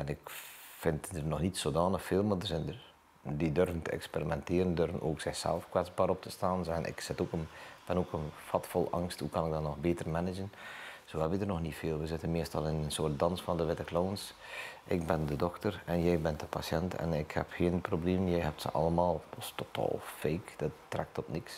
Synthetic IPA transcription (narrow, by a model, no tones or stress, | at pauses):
ɛnɪkfɪntdərnɔxnitsoːdaːnəxfeːlˠmardərzɛndər | didørvəntəɛ̰ksperimɛntɪːɾəndørvənʔo̰ːksɪxsɛ̰lˠfkwɛd͡zbaːɾɔp̚tə̥staːnzɛnʔɪ̰ksɪtoːkənb̥ɛnoːkənfɑtfɔlˠʔɑ̰ŋsthukɑnɪkɡ̚dɑnːɔxbeːtərmɛnɪd͡ʒənsoːɛbidərnɔxnitfeːlˠʋəzɪtənmɪəstɑlˠɪnənsoərt̚dɑnsfɑndəʋɪtəkloːns | ʔɪk̚bɪndədɔxtərɛnjɛjbɛntdəpasjɛntʰɛ̰nɪkhɛ̰pxiənprobleːmjɛjhɛp̚tsə̰ʔɑ̰lˠəmaːlˠpɔstotʰa̰ːlˠfeːkd̥ətːrɛk̚tɔpnɪks